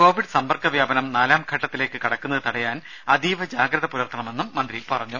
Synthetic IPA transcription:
ko̞ːʋiɖsɐmbɐrkɐʋjaːbɐnɐmnaːlaːmɡʱɐʈːɐt̪ːile̞ːkːɨkɐɽɐkːunːɐðɨt̪ɐɽɐjaːn | ɐd̪iːʋɐd͡ʑaːɡɾɐðɐpuɾɐrt̪ʰɐɳɐme̞nːumːɐnd̪ɾipɐrɐɲːu

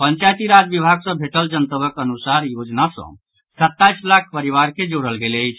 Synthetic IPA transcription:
pənt͡ʃajt̪iɾad͡ʒ̪bibʱaɡsə̃bʱeʈəld͡ʒənt̪əbəkənusaɾjod͡ʒnasə̰̃ | sət̪ːaislak̚ʰpəɾiʋaɾked͡ʒoɽəlɡeləjt͡ʃʰ

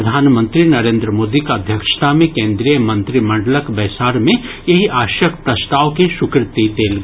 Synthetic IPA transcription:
ɐd̪ʱaːnmə̃nt̪ɾinɐɾẽːnd̪ɾəmoːd̪ikaɐd̪ʱjəkʃt̪ʰamẽkẽːnd̪ɾijəmɐ̃nt̪ɾimɐ̃ɳɖləkbɛːsaːɾmẽ | jɐɦiʔaːʃjəkʰpɾɐst̪aːʋkeʃʊkɾɪt̪it̪eːlɡ

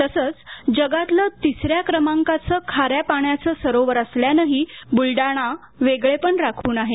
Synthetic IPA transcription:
t̪əsəːt͡sd͡ʑəɡat̪lət̪isɾjakɾəmaŋkat͡səːkʰaɾjapaɳjat͡səːsəɾoʋəɾəsljanəɦibulɖaɽ̃a | ʋeɡɭepəɳɾakʰuːnaɦe

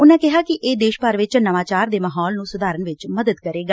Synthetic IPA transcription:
ʊnãːkɪɦaːkɪʔeːd̪eːʃpəɾʋɪt͡ʃnəʋaːt͡ʃaːɾd̪eːməɦɔːlnũːsʊd̪aːɾənʋɪt͡ʃməd̪əd̪kəɾeːɡaː

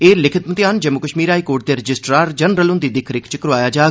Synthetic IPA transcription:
eːlɪkʰɪt̪mət̪ɪaːnd͡ʒəmːʊkəʃmiːɾaːikoːɾʈ̚d̪eːɾəd͡ʒɪsʈɾaːɾd͡ʒənɾəlʊnd̪iːd̪ɪkʰɾɪkʰt͡ʃəkɾʋaːjaːd͡ʒaː

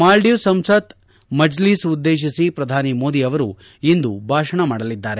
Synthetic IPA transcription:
maːlɖisɐmsɐt̪ | mɐd͡ʒliːsud̪ːeːʃ̬isipɾɐd̪ʱaːnimo̞ːd̪iɐʋɐɾṵ | ind̪ubʱaːʃɐɳɐmaːɽɐlid̪ːaːɾe

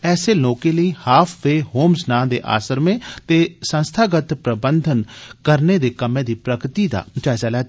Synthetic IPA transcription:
ɛːseːloːkeːləiːhaːpʰʋeːhoːmsnãːnd̪ḛːʔa̰ːsəɾmẽːt̪eːsə̃nst̪ʰaːɡət̪pɾəbənd̪ʱənkəɾneːd̪eːkəmẽːd̪iːpɾəkɾt̪iːd̪a̰ːt͡ʃaːzaːlɛː

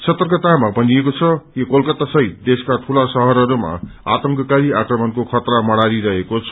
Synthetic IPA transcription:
sʰʌt̪ːʌrkʌt̪amabʱʌniekot͡sʰʌjokolkʌt̪ːasʌɦit̪̚d̪eskat̪ʰulasʌɦʌɾɦʌɾuma̰a̰t̪ʌŋkʌkaɾiakrʌmʌnkokʰʌt̪ramʌɽ̃aɾiɾʌɦekot͡sʰʌ

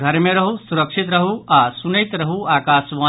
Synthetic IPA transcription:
ɡʱɐɾmẽɾɐɦusuɾəkʂʰit̪ɾɐɦuʔasunəjt̪ɾɐɦuaːkaːsʋãː

